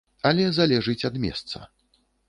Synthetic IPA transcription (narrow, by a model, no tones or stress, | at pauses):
ɐlʲɛzalʲɛʐɨt͡sʲɐd̪mʲɛ̰st̪sɐ̰